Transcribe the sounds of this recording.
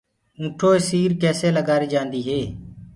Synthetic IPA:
ũːʈʰoːeːsiːɾkɛːseːləɡaːɾiːd͡ʒãːnd̪iːɦeː

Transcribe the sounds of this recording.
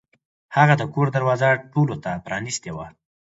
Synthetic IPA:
haɣad̪əkoɾd̪aɾwɑzaʈolot̪apɾɑnist̪ewa

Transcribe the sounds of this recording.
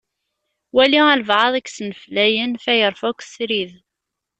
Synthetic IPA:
wæliæləvʕɑðˤæksənəflæjənfæjəɾˤfækʷsɾið

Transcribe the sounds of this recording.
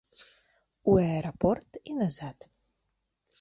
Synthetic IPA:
waeɾopʰortʰinɐzatʰ

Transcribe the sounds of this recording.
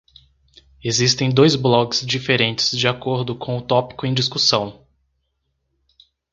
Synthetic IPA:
ezist̪ẽj̃d̪ojzblɔkɪ̥zd͡ʒifeɾẽnt͡ʃɪ̥z̥d͡ʒiakoɾd̪ʊkʰõw̃ʊt̪ɔpi̥kʊẽj̃d͡ʒiskusɐ̃w̃

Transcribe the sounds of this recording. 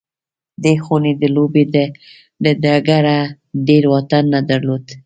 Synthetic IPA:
d̪exuned̪əlobed̪ə | ɖəd̪aɡaɾa | ɖeɾwɑt̪anːad̪aɾlod̪

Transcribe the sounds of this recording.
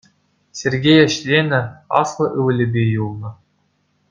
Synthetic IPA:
sʲerɡʲejɘ̆ɕlʲenʲɘ̆ɑ̰slˠɤ̆ʔɯʋɘ̆lʲɘ̆bʲejulˠnɤ̆

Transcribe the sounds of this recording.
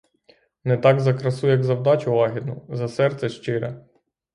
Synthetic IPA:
nɛt̪ɑɡzɐkɾɐsujɐɡzɐwd̪ɑt͡ʃʊʋɑɦʲid̪̚nʊzɐsɛrt̪sɛʃt͡ʃɪɾɛ

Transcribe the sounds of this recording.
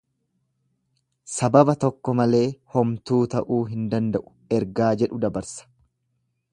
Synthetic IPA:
sɐbɐbɐt̪ɔkːɔmɐle̞ːhɔmt̪uːt̪ɐʔuːɦɪnd̪ɐnd̪ɐʔʊ̥ | ɛɾɡaːd͡ʒɛᶑʊd̪ɐbɐɾsɐ̥

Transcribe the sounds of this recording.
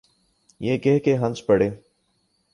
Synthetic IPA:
jeːkɛɦkeɦɐ̃nt͡ʃpəɽeː

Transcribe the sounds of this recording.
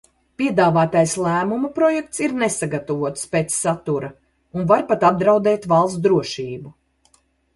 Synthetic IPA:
pʲiɛd̪aːvaːt̪ajslˠæːmumupɾɔjɛk̚t̪siɾnesaɡat̪ɐvuɔt̪speːt̪sːat̪uɾɐ | unvaɾpat̪ab̚d̪ɾawd̪ɛːt̪valˠsd̪ɾuɔʃiːbu

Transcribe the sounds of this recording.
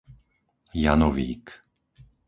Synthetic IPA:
janɔʋḭːk

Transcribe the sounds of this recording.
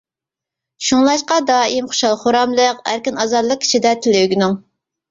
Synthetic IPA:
ʃuŋlˠɑʃqɑd̪ɑːimχʊ̥ʃɑlˠχoɾɑmlˠəqæ̰ɾkʲinɑzɑɾlˠəq̚kʰʲi̥t͡ʃʰid̪ɛt̪ʰɪlɪɡʲinɪŋ

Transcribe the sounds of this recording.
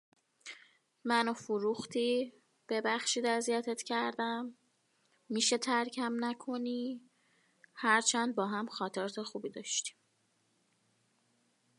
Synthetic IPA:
mænofuɾuxt̪ʰiː | b̥e̞bæxʃiːd̪æzijæt̪ʰet̪cʰæɾd̪æmː | iːʃet̪ʰæɾcʰæmnækʰo̞niː | hæɾt͡ʃʰænd̪̚bɒːɦæmxɒːt̪ʰeɾt̪ʰexuːbiːd̪ɒːʃt̪i̥m

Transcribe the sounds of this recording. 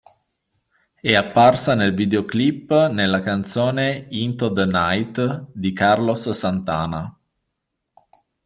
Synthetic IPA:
ɛapːarsanelvid̪eoklipːnelːakant̪soːneint̪od̪najt̪d̪ikarlosːant̪a̰ːna

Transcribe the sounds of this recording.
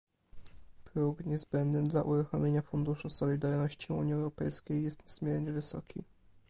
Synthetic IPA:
pɾuɡɲɛzbɛnd̪nɘd̪laʔuɾuxɔmʲjeɲafund̪uʂusɔlʲid̪aɾnɔɕt͡ɕiṵɲiɛwɾɔpɛjskʲejːɛst̪ɲɛzmʲjɛɾɲɛvɘsɔ̰kʲḭ

